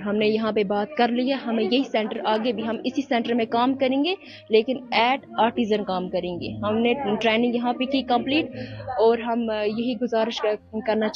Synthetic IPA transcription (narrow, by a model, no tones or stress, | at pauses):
ɦɐmnejɐɦãpebaːt̪̚kɐɾliɦɛɦɐmẽjɐɦisɛ̃ːɳʈəɾaːɡebʱiɦɐmɪsisɛ̃ɳʈəɾmẽkaːmkɐɾẽːŋɡe | leːkɪnɛːʈaːɾʈiːzənkaːmkɐɾẽːŋɡḛːɦɐmneʈɾɛːnɪ̃ŋɡjɐɦãpekikɐ̃mpliːʈɔːɾɦɐmjɐɦiɡʊzaːɾɪʃkɐɾnat͡ʃ